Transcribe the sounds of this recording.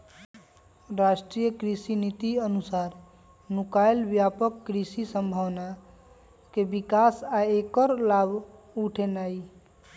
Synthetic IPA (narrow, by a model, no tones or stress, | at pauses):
ɾaʃʈɾijəkɾisinit̪iənusaːɾ | nukajlbjapəkːɾisisəmbʱəʋna | kebikasaekəɾlab | uʈʰenai